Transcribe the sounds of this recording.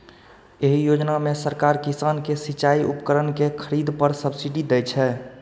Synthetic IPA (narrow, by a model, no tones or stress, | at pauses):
eɦijod͡ʒnamesəɾkaɾkisankesit͡ʃaiʔṵpəkəɾənkekʰəɾid̪pəɾsəbsiɖid̪ɛjt͡ʃʰɛ